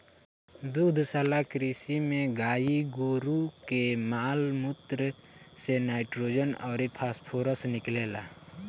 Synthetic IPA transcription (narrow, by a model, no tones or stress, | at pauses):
d̪uːd̪ʱsaːlakɾiːsimẽɡaːiɡuɾukemaːlmʊt̪ɾə | senaːɪʈɾoːd͡ʒənɔ̰ːɾepʰaːspʰoːɾəsnɪkleːla̰ː